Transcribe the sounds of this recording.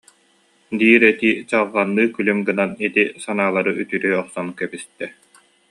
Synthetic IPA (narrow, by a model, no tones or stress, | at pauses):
d̪iːɾɛt̪iːt͡ɕaʁʁanːɯːkylymɡɯnanit̪isanaːlˠaɾɯʔyt̪yɾyɔχsɔnkɛbist̪ɛ